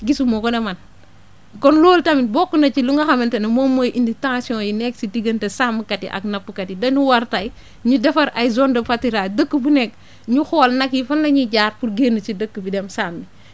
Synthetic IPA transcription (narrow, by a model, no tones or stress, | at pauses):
ɡisumɔkɔnɛmɐn | kɔnloːltɐminbɔkːunɐt͡ʃiluŋɡɐxɐmɛntɐnɐmɔmojʔinditãsjɔ̃ːjinɛk̚sidiɡɐntɐsamːkɐtḭʔɐ̰k̚nɐpːukɐtidɐɲuwɐɾtɐj | ɲudɛfɐɾɐjzɔndɐfɐtiɾadəkːəbunɛk̚ | ɲuxɔːlnɐkifɐnlɐɲiɟaːrpuɾɡeːnɐt͡ʃidəkːubidɛmsaːmːi